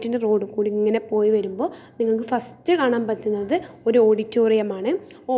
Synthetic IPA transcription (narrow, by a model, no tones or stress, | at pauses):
tːindero̞ːɽɨkuːɽiiŋːɐne̞po̞ːjiʋɐɾumbo̞ːniŋːɐɭk̬ɨfɐstːɨkaːɳaːmpɐtːunːɐðɨo̞ɾuo̞ːɽitːoːrijɐmaːɳɨ | o